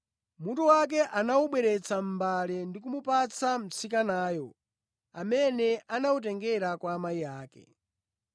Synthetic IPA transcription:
mutuwak̬ɛʔanauɓwɛɾɛt͡sam̩balɛndikumupat͡sam̩t͡sikanaːjɔ | amɛnɛʔanaut̬ɛŋɡɛɾakwaːmaijaːkɛ̰

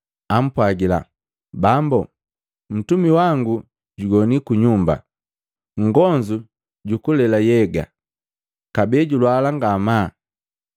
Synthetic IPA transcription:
am̩pwaɡila̰ | bambɔ | m̩tumiwaŋɡu | ɟuɡɔnikuɲumba̰ | ŋ̩ɡɔɲd͡ʒu | ɟukulɛlajɛɡa̰ | kabɛɟulwalaŋɡama

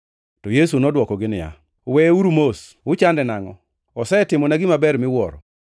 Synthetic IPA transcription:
tɔjesunɔdwɔkɔɡɪnɪja̰ | wɛuɾumos | ʊt͡ʃandɛnaŋɔ | ɔsɛtɪmɔnaɡɪmabɛɾmɪwɔɾɔ

